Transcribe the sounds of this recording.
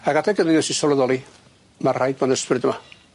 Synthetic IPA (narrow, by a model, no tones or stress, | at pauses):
aɡatʰɛɡəniɔsisɔləðɔlˠi | marajd̪̚bɔnəsprɪd̪əma